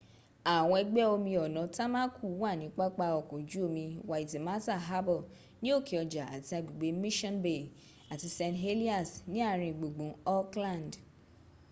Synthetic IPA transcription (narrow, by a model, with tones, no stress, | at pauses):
a˨w̃ɔ̃˧ɛ˧ɡ͡bɛ˦o˧mĩ˧ɔ˨nɔ̃˨ta˦mã˦ku˦˨˦wa˦˨nĩ˨˦k͡pa˦k͡pa˧ɔ˨kɔ̃˨d͡ʒu˦o˧mĩ˧wa˨i˨ti˨ma˦ta˦˨ɦa˦bɔ˦˨ | nĩ˦o˦˨ki˨ɔ˨d͡ʒa˨a̰˨ti˧a˧ɡ͡bi˨ɡ͡be˨˦mĩ˦ʃɔ̃˦nbe˨ | a˨ti˧sɛ̃˧nɦe˦li˦a˦˨snĩ˨˦a˦˨ɾ̃ĩ˧˨ɡ͡bo˨ɡ͡bũ˨˦ɔ˦klã˦˨nd